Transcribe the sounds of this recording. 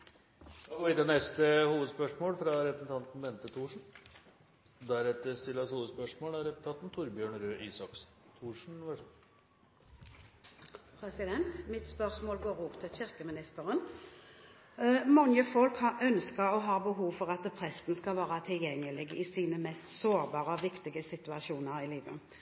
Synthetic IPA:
ʋɪt̪ənɛst̪əhuːʋəd̪spœʂmoːlfɾɑɾɛpɾəsn̩t̪ʰɑnt̪n̩bɛnt̪ət̪ʰuːʂɳ̩ | d̪æɾɛt̪əɾst̪ɪlːəshuːʋəd̪spœʂmoːlæɾɛpʊnt̪ɑt̪nt̪ʰʊɾbjøːɳɾøːʔiːsɑks | t̪ʰuːʂɳ̩ʋæ | pʰɾɛsɪd̪ɛnt̪mɪt̪spœʁsmoːlɡoːʁuːpt̪ʰɪlçɪʁkəmɪnɪst̪əʁən | mɑŋəfɔlkhɑʔœnskəɾɔɦɑːbəɦuːʋfɔʁɑt̪pʰʁɛsnskɑlʋæːʁɑt̪ʰɪljɛŋːəlɪɡɪsiːnəmɛst̪soːʁbɑːʁəɔʋɪkt̪ɪɡəsɪt̪ʉɑʃuːnəʁɪliːʋə

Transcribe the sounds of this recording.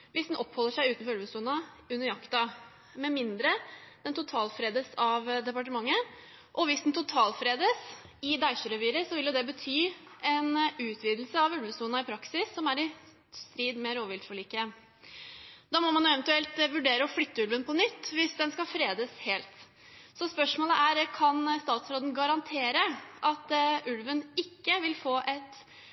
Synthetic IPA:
ʋɪsd̪nɔpːhɔlːəʂæɪʉːt̪nfɔʉlbəsuːnɑ | ʉnːəɾjɑkt̪ɑ | mɛmɪnd̪ɾəd̪̥ɛnt̪ʊt̪ʰɑːlfɾeːd̪əsɑʋd̪ɛpɑʈ̬əmɑŋːə | ʔɔʋɪsd̪nt̪ʊt̪ʰɑːlfɾeːd̪əs | ɪd̪æɪʂəɾəʋiːɾəsɔʋɪljʊd̪ɛbət̪ʰyː | ɛnʉːt̪ʰʋiːd̪l̩səɑʋʉlbəsuːnɑɪpʰɾɑksɪsːɔmæɾɪ | st̪ɾiːd̪mɛɾoːʋɪld̪fɔɭiːkə | d̪ɑːmɔmɑnjʊɛʋɛnt̪ʉɛlt̪ʋʉɖeːɾəɔflʏt̪ːəʉlʋənpʰɔnʏt̪ːʋɪsd̪ɛnskɑfɾeːd̪əsheːlt̪ | sɔspœʂmoːləʔæɾkʰɑnst̪ɑːt̪sɾoːd̪n̩ɡɑɾɑnt̪ʰeːɾəʔɑt̪ʉlʋənɪkːəʋɪlfoːʔɛt̪

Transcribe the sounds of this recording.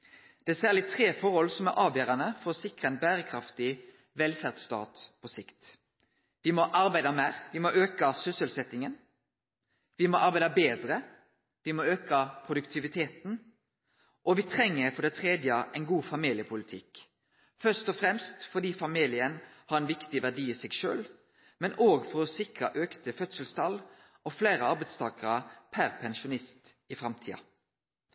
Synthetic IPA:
d̪̥ɛæsæːʁlɪt̪ʰʁeːfɔʁɔlsɔmæɾʔɑːʋjøːɾɑnəfɔɾɔsɪkʁɑəɛnbæːɾəkʰɾɑft̪ɪ | ʋɛlfæʁd̪st̪ɑ̰ːt̪pʰɔsɪkt̪ | ʋɪmɔʔɑɾbæɪd̪ɑmæːɾʋɪmoʔøːkɑsʏsəlsɛt̪ɪŋən | ʋɪmɔʔɑɾbæɪd̪ɑbeːd̪ɾə | ʋɪmɔøːkɑpʰʁʊd̪ʉkt̪ʰɪʋɪt̪ʰeːt̪n̩ | ʔɔʋɪt̪ʰɾɛŋːəɾfɔɖ̪ɛt̪ʰʁeːd̪jəəʔɛɪnɡuːfɑmiːlɪəpʰʊlɪt̪ʰɪk | fœst̪ɔfɾɛmst̪fɔɖ̪iːfɑmiːlɪənhɑɾɛnʋɪkt̪ɪʋæɖiːiːsɛɡʃø̰ːl | mɛnʔoːɡfɔɾɔsɪkɾəʔøːkt̪əfœt̪səlst̪ʰɑlː | ʔɔfleːɾəɑɾbæɪt̪st̪ʰɑːkəʁɑpʰæɾpʰɛnʃʊnɪst̪ | ɪfɾɑmt̪ʰḭːɑ̰

